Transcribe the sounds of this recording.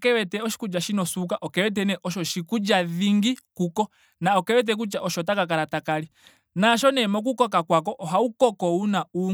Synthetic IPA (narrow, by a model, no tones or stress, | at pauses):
kɛwɛtɛɔʃi̥kud͡ʒaʃinɔsuk̬aʔɔkɛwɛt̬ɛnɛʔɔʃɔʃikud͡ʒaðiŋɡikukɔ | naɔkɛwɛt̬ɛk̬ut͡ʃaʔɔʃɔtakakaɾatakali | naʃɔnɛmɔk̬ukɔkakwakɔʔɔɦaukɔkɔunau